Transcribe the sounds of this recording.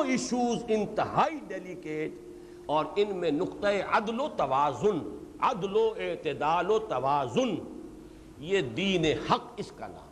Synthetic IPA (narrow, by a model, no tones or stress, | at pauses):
ɪʃuːzɪ̃nt̪ɪɦaːiɖeːlikeːʈ | ɔːɾɪnmẽnʊqt̪ɐeɐd̪loːt̪ɐʋaːzʊn | ɐd̪loɪt̪ɪd̪aːlot̪ɐʋaːzʊn | jed̪iːnehɐqɪska̰nã̰ːm